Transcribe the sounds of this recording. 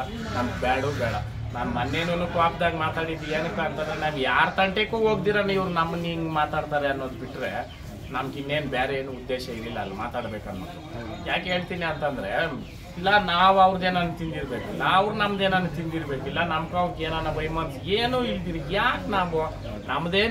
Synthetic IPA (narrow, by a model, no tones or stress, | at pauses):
nɐmɐɡbɛːɽubɛːɽɐ | naːnmɐnːeːnunukaːpd̪aːɡmaːt̪aːɽid̪eːnɐkːɐnt̪ɐnd̪ɾenaːnjaːɾt̪ɐɳʈekuːɦoːɡ̚t̪̬iːɾaːnuiʋɾunɐmːɐniːŋɡmaːt̪aːɽt̪aːɾeɐnːoːd̪biʈːɾe̞ | nɐmɐɡinːe̞ːnbaːɾeeːnuːud̪ːeːʃɐilːilːɐːlːama̰ːt̪aːɽbeːkɐnːo̰ːd̪ujaːke̞ːɭt̪iːniɐnt̪ɐnd̪ɾe̞ | ilːɐnaːʋɐʋɾud̪eːnɐnːut̪ind̪iɾbeːkuilːɐːʋɾunɐmːɐd̪eːnɐnːut̪ind̪iɾbeːkilːɐnɐmɐkuɐʋkeːnanɐbɐjmɐnseːnuːid̪iɾijaːknaːʋu | nɐmːɐd̪eː